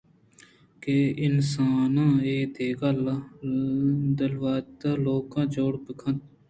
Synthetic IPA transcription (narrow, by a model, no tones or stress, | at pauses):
keːɪnsaːnãːeːd̪eːɡal | d̪ɐlʋaːt̪aːloːkãːd͡ʒoːɽbəkʰɐ̃t̪̚